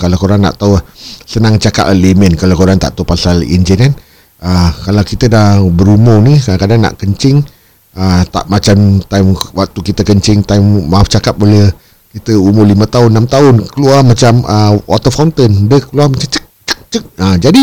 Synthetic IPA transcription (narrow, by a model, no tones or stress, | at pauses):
kalakoɾaŋna̰ʔt̪auasənaŋt͡ʃaka̰pəlimənkalawkoɾaŋt̪a̰ʔt̪aupasalḭnd͡ʒinan | əkalawkit̪ədahbəɾumʊnikadaŋkadaŋna̰ʔkəɲt͡ʃɪŋ | ət̪a̰ʔmat͡ʃamt̪ajmwak̚t̪ukit̪əkəɲt͡ʃɪŋt̪ajmmauft͡ʃakap̚ole | kit̪əumʊlimət̪aʊnːamt̪aʊnkəluamat͡ʃaməwʔat̪əfawnt̪əndəkəluamat͡ʃamt͡ʃək̚t͡ʃə̥k̚t͡ʃək̚ad͡ʒadi